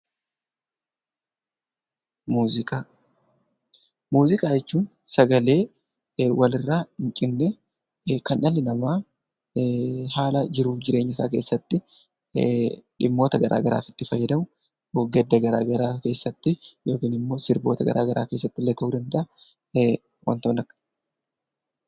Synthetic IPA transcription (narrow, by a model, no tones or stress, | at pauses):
kʼa | muːzɪkʼaːjɛt͡ʃːuːn | sɐɡɐleː | wʔɐlɪrːaːɪŋt͡ʃʼɪnːɛ | kɐnʔɐlːɪnɐmaː | haːlɐd͡ʒɪɾuːd͡ʒɪɾe̞ːɲːɪs̬a̰ːk̬e̞ːsːɐt̪ːɪ | ᶑɪmːoːt̪ɐɡɐɾʔa̰ːɡɐɾa̰ːfɪ̥t̪ːɪfɐjːɛd̪ɐmʊ | ɡɛd̪ːɐɡɐɾa̰ːɡɐɾaːke̞ːsːɐt̪ːɪjo̞ːkiːnɪmːo̞ːsɪɾbo̞ːt̪ɐɡɐ̰ɾʔa̰ːɡɐɾʔa̰ːke̞ːsːɐt̪ːɪlːeːt̪ʰɐʔuːd̪ɐnd̪ɐʔɐ | wɐ̰nt̪oːnɐkːɐ̥